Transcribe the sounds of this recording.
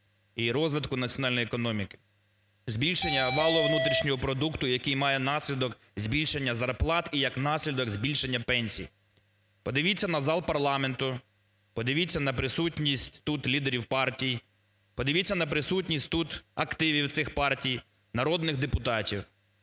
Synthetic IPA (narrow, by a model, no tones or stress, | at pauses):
iɾɔzʋɪt̪kʊnɐtt͡sʲɔnɑlʲnjiekɔnɔmʲikɪ̥ | zʲbʲilʲʃenʲːɐʋɑlˠɔʋnut̪ɾʲiʃnʲɔɦɔpɾɔd̪ukt̪ʊjɐkɪjmɑjɛnɑsʲlʲid̪ɔk | zʲbʲilʲʃenʲːɐzɐrplˠɑt̪ijɐknɑsʲlʲid̪ɔkzʲbʲilʲʃenʲːɐpɛnʲsʲḭj | pɔd̪ɪʋʲit͡sʲːɐnɐzɑlˠpɐrlˠɑment̪ʊ | pɔd̪ɪʋʲit͡sʲːɐnɐpɾɪsutʲnʲisʲtʲt̪ut̪lʲid̪eɾʲiwpɑrtʲij | pɔd̪ɪʋʲit͡sʲːɐnɐpɾɪsutʲnʲisʲtʲt̪ut̪ɐkt̪ɪʋʲiwt̪sɪxpɑrtʲij | nɐɾɔd̪nɪɣd̪epʊt̪ɑtʲiw